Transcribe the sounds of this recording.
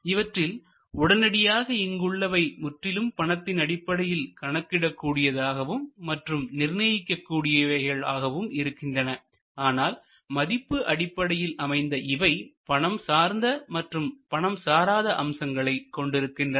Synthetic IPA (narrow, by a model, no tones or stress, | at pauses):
ɪʋɐʈrɪl | ʊɽɐnɐɽɪjaːɣɐɪŋɡɯɭːɐʋɐɪmʊʈrɪlɯmpɐɳɐt̪ːɪnɐɽɪpːɐɽɐjɪlkɐɳɐkːɪɽɐkːuːɽɪjɐðaːɣɐʋɯmːɐʈrɯmnɪrnɐjɪkːɐkːuːɽɪjɐʋɐɪɣɐɭa̰ːɣɐʋɯmɪɾɯkːɪndrɐnɐ | aːnaːl | mɐðɪpːɯʔɐɽɪpːɐɽɐjɪlɐmɐɪnd̪ɐʔɪʋɐɪpɐɳɐmsaːɾnd̪ɐmɐʈrɯmpɐɳɐmsaːɾaːðɐʔɐmsɐŋɡɐɭɐɪkːɔɳɖɪɾɯkːɪndrɐ